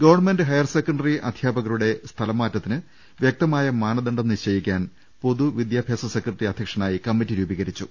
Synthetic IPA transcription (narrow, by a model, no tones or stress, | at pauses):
ɡɐʋɐrɳme̞ndɨɦɐjɐrsekːɐɳɖɐriʔɐd̪ʱjaːbɐɣɐɾuɽe̞st̪ʰɐlɐmːaːtːɐt̪ːinɨ | ʋjek̚t̪ɐmaːjɐmaːnɐðɐɳɖɐnːiɕɐjikʲːaːn | po̞ðuʋid̪jaːbʱjeːsɐsekrɐʈriɐd̪ʱjɐkʂɐnaːjikɐmːitːiɾuːbɐɣɐɾit͡ɕːu